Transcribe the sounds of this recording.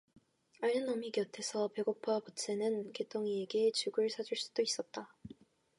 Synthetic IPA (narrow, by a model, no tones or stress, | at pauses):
aɾʌnʌmikjʌtʰe̞sʰʌpe̞ɡopʰapos͈ʰenɯnke̞t͈ʰoŋieɡet͡ɕuɡɯɭsʰad͡ʑuɭs͈u̥d̥ois͈ʌt̚t͈a